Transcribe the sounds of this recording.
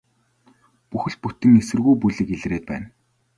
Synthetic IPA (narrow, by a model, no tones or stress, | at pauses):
puxɘ̆ɮ̚put̪ɘ̆ŋesɘ̆rɣujpuɮĭkeɮ̆reːt̪̚pæ̰ːn